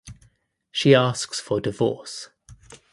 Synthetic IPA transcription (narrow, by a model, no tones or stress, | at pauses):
ʃiɑˑsksfədɪvɔ̰ˑs